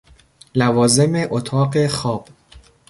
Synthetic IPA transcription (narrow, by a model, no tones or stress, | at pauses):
lævɒːze̞me̞ʔot̪ʰɒːɢe̞xɒːb̥